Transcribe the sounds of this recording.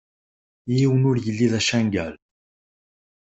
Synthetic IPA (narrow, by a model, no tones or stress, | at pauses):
jiwənʊɾjəlːiðæʃænɡæl